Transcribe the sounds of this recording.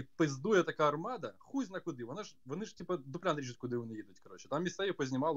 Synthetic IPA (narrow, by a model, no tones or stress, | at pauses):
pɨzd̪ujət̪ɐkajɐrmad̪əxuzʲnɐkʊd̪ɨvɐnaʐvɐnɨʐtʲipəd̪ʊplʲanɾʲiʃɨt̪ʲkʊd̪ɨʊnɨjid̪ʊtʲkɐɾo̞t͡ɕɪt̪amːʲɪst̪ajixpəzʲnʲɪmalˠ